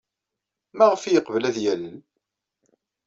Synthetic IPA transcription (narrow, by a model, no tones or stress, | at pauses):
mæʁəfijəqvəlæðjælən